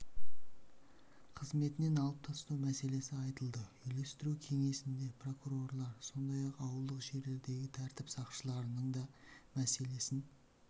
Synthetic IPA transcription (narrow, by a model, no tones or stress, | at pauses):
qʰəzme̞t̪ɪne̞nɑlˠəp̚t̪ʰɑst̪uwmæse̞le̞sɪɑjt̪əlˠd̪əʏjle̞st̪ɪɾukʲʰe̞ŋe̞sɪnd̪e̞pro̞kuɾo̞rlˠɑɾso̞nd̪ɑjɑqɑwəlˠd̪əqʒe̞ɾle̞ɾd̪e̞ɡʲɪt̪ʰæɾt̪ɪpsɑqʃəlˠɑɾənəɴd̪ɑmæse̞le̞sɪn